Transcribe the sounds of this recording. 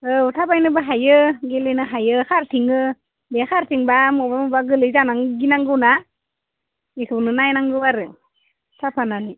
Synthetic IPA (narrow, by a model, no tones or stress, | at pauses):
ɯutʰapajnɯbaɦajɯɡelenɯɦajɯkʰaɾtʰiŋɯ | beakʰaɾtʰiŋbamɔbamɔbaɡɯlɯzanaŋɡinaŋɡɯwna | ekʰɯbnɯnajnaŋɡɯwaɾɯ | tʰapʰanani